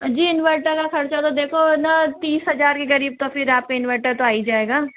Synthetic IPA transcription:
d͡ʒiːɪnʋəɾʈəɾkaxɐɽt͡ʃat̪od̪eːkʰonat̪iːsɦɐd͡ʒaːɾkeɡɐɾiːb̚t̪ofɪɾaːp̚keɪnʋəɾʈəɾt̪oaːid͡ʒaːeːɡaː

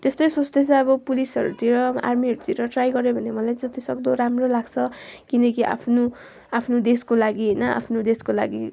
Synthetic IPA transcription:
t̪est̪ʌjsot͡sd̪et͡sʰʌ̃ʌβʌpulisʌɾut̪ʰiɾʌa̰rmiɦʌɾut̪ʰiɾʌʈrajɡʌɾebʱʌnemʌlajd͡zʌt̪isʌɡd̪oɾamrolaɡt͡sʰʌkinʌkiʔa̰pʰno | apʰnod̪eskolaɡiɦʌjnʌa̰pʰnod̪eskola̰ɡi

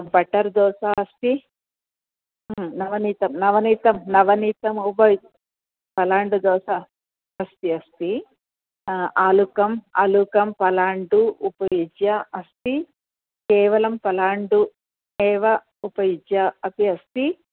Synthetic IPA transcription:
bɐʈɐɾd̪ɔːsaːɐst̪i | nɐʋɐniːt̪ɐmnɐʋɐniːt̪ɐmnɐʋɐniːt̪ɐmupɐji | pɐlaːɳɖud̪ɔːsaː | ɐst̪iɐst̪i | aːlukɐma̰ːlukɐmpɐlaːɳɖuupɐjid͡ʒjaɐst̪i | kɛːʋɐlɐmpɐlaːɳɖu | ɛːʋɐ | upɐjid͡ʒjaɐt̪iɐst̪i

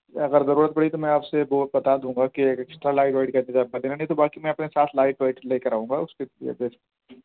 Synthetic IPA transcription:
ɐɣəɾzɐɾuːɾət̪̚bɐɽit̪omɛ̃aːpsebɔːt̪̚bɐt̪ad̪ũːŋɡakieːkɪksʈɾalaːɪʈʋaːɪʈkɐ̃nezaːbɐd̪eːnanɐɦĩt̪obaːkimɛ̃ɐpnesaːt̪ʰlaːɪʈaːɪʈleːkɐɾaːɦũːŋɡaʊskelijḛb̪eːs

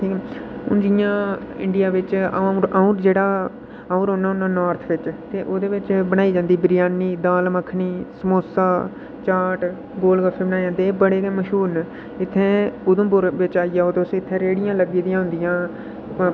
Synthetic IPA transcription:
iʊ̰nd͡ʒɪjãːɪ̰ɳɖɪjaːʋɪt͡ʃaɾauɾd͡ʒeːɽaː | aũɾoːnːãːʊnːãːnɔːɾt̪ʰʋɪt͡ʃt̪eːʔoːd̪eːʋɪt͡ʃbəɽ̃aːiːd͡ʒãːnd̪iːbɾɪjaːniːd̪aːlməkʰniːsəmoːsaː | t͡ʃaːʈ | ɡoːlɡəfʰeːbəɽaːjãːd̪ebəɽeːd̪eːməʃuːn | ɪt̪ʰːẽːʊd̪ʊ̃ːbʊɾʋɪt͡ʃaːijaːoːt̪esɪt̪ʰːẽːɾeːɽɪjãːləɡiːd̪ijãːɦʊ̃nd̪ɪjãː

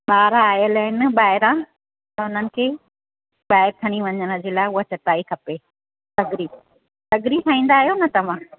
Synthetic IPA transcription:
ɓaːɾaaːjəlɦɪnɪɓaːɦɪɾã | t̪ɐʊn̤ənɪ̆kʰeː | ɓaːɦɪɾt̪ʰɐɽ̃iʋɐɲəñə̆d͡ʑeːlaːʊɦat͡ɕɐt̪aːikʰɐpe | t̪ɐɡɾi | t̪ɐɡɾisʰãːĩːnd̪aːɦijonɐt̪ɐʋ̤ã

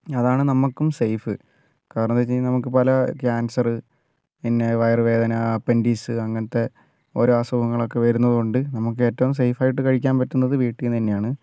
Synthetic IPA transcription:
ɐðaːɳɨnɐmːɐkːumsejfɨ | kaːɾɐɳɐmet͡ɕːinɐmukːɨpɐlɐkaːnsɐrɨ | pinːe̞ʋɐjɐrʋe̞ːd̪ʱɐnɐpe̞ndiːsɨɐŋːɐnɐt̪ːe̞ | o̞ɾuaːsɐbbɐŋːɐɭo̞kːe̞ʋɐɾunːɐðɨkoɳɖɨnɐmuk̬ːɨe̞ːtːɐʋums̬ejfaːjiʈːɨkɐɻikʲːaːnpɐtːunːɐðɨʋiːʈːiunt̪ɐnːejaːɳɨ

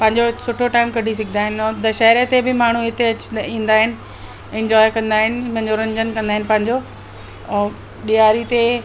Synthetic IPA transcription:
pɐ̃ɦɪ̃ɲd͡ʑosʊʈʰoʈaːɪmkɐɖʱis̬ɐɡʱɪnd̪aːɦɪnɪ̃ːd̪ɐʃɐɦɾet̪ebɪmaːɳ̤uɪt̪eɐt͡ɕĩːnd̪aːɦɪnɪ̆ | ɪ̃ɲd͡ʑɔːɪkɐ̃nd̪aːɦɪnɪ̆pɐ̃ɦɪ̃ɲd͡ʑoɾɐ̃ɲd͡ʑənkɐ̃nd̪aːɦɪ̃nɪ̆pɐ̃ɦɪ̃ɲd͡ʑõ | ɗijaːɾit̪e

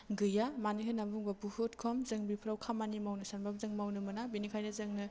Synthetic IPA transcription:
ɡɯjamaniɦɯnabuŋbɐbuhutkʰɔmzɯŋbipʰɾawkʰamanimawnɯsanbab̚zɯŋmawnɯmɯnabinikʰajnɐzɯŋnɯ

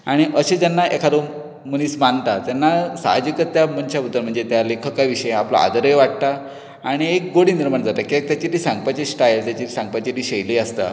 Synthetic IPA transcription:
aɽ̃iʔəɕed͡ʑjanːaʔekʰaɾo | məñiːsmant̪at̪janːasa̰ɦad͡ʑikət̪ːjamənt͡ɕabut̪ːəɾm̤əɳd͡zet̪jalekʰəkaʋiɕəjeapla̰ʔa̰d̪əɾəjʋaʈ̚t̪a | aɽ̃iek̚ɡoɽiːniɾmaɳd͡zat̪akit̪jat͡ɕit̪iːsãŋɡəpat͡ɕesʈajlt̪jat͡ɕiti̥sãŋɡ̚pat͡ɕit̪iːɕejliəst̪a̰

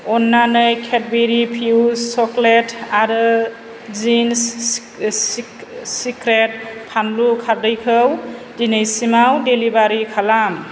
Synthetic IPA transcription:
ɔnːanɯjkʰet̚beɾipʰiwsɔkletaɾɯ | zins | sikɾet̚pʰanlukʰaɾdɯjkʰɯw | dinɯjsimawdelibaɾikʰalam

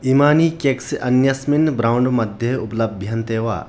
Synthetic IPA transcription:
imaːniːkeːksʔɐnjɐsmɪnbɾaːʊɳɖmɐd̪ʱjɐʊplɐbbʱjɐnt̪eːʋa̰ː

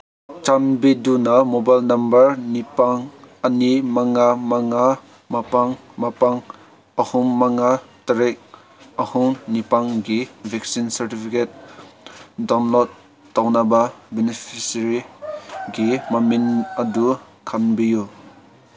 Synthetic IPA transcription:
t͡ʃanbidunɐmobajlnɐmbɐɾnipaŋɐnimaŋamaŋa | mapaŋmapaŋ | ɐhuŋːaŋatɐɾek̚ | ɐhuŋnipaŋɡibʱɛk̚sinsɐɾtipʰiket̚ | dɔnlɔt | tːawnababenipʰisɾi | ɡimɐminɐdu | kʰanbiju

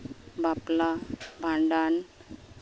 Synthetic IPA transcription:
baplabʱaɳɖan

